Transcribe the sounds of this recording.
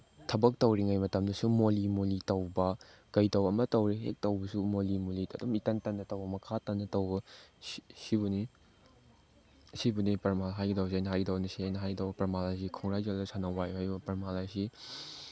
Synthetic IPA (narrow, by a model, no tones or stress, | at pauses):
tʰɐbɐk̚tɐwɾiŋajmɐtɐmdɐsumolimolitɐwbɐkɐjtɐwɐmɐtɐwɾiɦḛk̚tɐwbɐsumolimolidɐdumitɐntɐnːɐtɐwbɐmɐkʰatɐnːɐtɐwbɐ | sibuni | sibunipɐɾmalɦajɡitowsiajnɐɦajɡitownɐsiajnɐɦajɡtɐwbɐpɐmalas̬ikʰɔŋɾajzalɐsanɐwajhajbɐpɐɾmalasi